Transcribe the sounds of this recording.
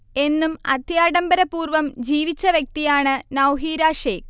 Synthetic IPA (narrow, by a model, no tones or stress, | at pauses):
e̞nːumɐ̰d̪ʱjaːɽɐmbɐɾɐpuːrʋɐmd͡ʑiːʋit͡ɕːɐʋjɐk̚t̪ijaːɳɨnɐwɦiːɾaːʂeːk